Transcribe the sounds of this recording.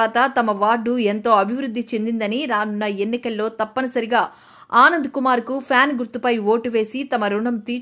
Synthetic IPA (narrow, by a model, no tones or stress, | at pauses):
aːt̪ɐt̪ɐmɐʋaːɖːue̞nt̪o̞ːɐbʱiʋɾud̪ʱːit͡ʃend̪ind̪ɐniɾaːnunːɐe̞nːikɐlːo̞ːt̪ɐpːɐnɐsɐɾiɡaː | aːnɐnd̪ukumaːɾkupʰjaːnɡuɾt̪upɐjʋo̞ːʈuʋe̞ːsit̪ɐmɐɾuɳɐmt̪iː